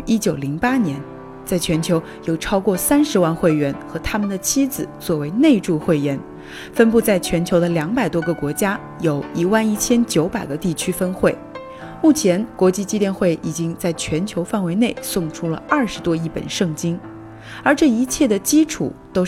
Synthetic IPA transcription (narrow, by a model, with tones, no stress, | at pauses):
i˥t͡ɕjo˨˩ʊli˧˥ŋpa˥njɛ˧˥n | t͡sa˥˩ɪt͡ɕʰɥɛ˧˥nt͡ɕʰjo˧˥ʊ | jo˨˩ʊʈ͡ʂʰɑ˥ʊkwɔ˥˩sa˥nʂɻ̩˧˥wa˥˧nxwe˥˩ɪɥɛ˧˥nxɤ˧˥t̪ʰa˥mə˨nd̪ə˩t͡ɕʰi˥d͡zɹ̩˨˩t͡swɔ˥˩we˧˥ɪne˥˧ɪʈ͡ʂu˥˧xwe˥˩ɪjɛ˧˥n | fə˥npu˥˧t͡sa˥˩ɪt͡ɕʰɥɛ˧˥nt͡ɕʰjo˧˥ʊd̪ə˧ljɑ˧˥ŋpa˨˩ɪt̪wɔ˥ɡə˧kwɔ˧˥t͡ɕja˥ | jo˨˩ʊi˧˥wa˥˧ni˥˩t͡ɕʰjɛ˥nt͡ɕjo˧˥ʊpa˨˩ɪɡə˦t̪i˥˩t͡ɕʰy˥fə˥nxwe˥˩ɪ | mu˥˩t͡ɕʰjɛ˧˥nkwɔ˧˥t͡ɕi˥˧t͡ɕi˥t̪jɛ˥˧nxwe˥˩ɪʔi˨˩t͡ɕi˥ŋt͡sa˥˩ɪt͡ɕʰɥɛ˧˥nt͡ɕʰjo˧˥ʊfa˥˩nwe˧˥ɪne˥˩ɪsʊ˥˧˩ŋʈ͡ʂʰu˥lə̰˨ɐ˞˥˩ʂɻ̩˧˥t̪wɔ˥i˥˩pə̰˨˩nʂɤ˥˩ŋt͡ɕi˥ŋ | ə˞˧˥ʈ͡ʂɤ˥˩i˧˥t͡ɕʰjɛ˥˩d̪ə˩t͡ɕi˥ʈ͡ʂʰṵ˨˩˦t̪o˥ʊ